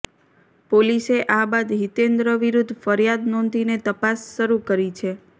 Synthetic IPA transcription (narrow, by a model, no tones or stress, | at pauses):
poliseʔabad̪ɦit̪end̪ɾəʋiɾud̪ʱːfəɾjad̪nɔnd̪ʱinet̪əpasʃəɾukəɾit͡ʃʰe